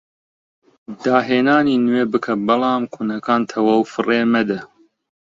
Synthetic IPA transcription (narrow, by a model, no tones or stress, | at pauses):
d̪aːɦeːnaːniːnweːbɨkʰɐbɐlˠɑːmkʰunɐkʰaːnt̪ʰɐwɐwfɨreːmɐd̪ɐ